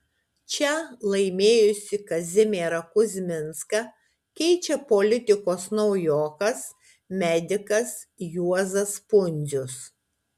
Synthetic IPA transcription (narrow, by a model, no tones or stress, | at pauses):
t͡ʃʲɛlˠɐɪmʲeːjʊsʲɪkɐzʲɪmʲeːɾɐkʊzʲmʲɪnskɐ | kʲɛɪt͡ʃʲɛpolʲɪt̪ʲɪkoːsnɒʊjoːkɐs | mʲɛd̪ʲɪkɐsjuɔzɐspʊnʲzʲʊs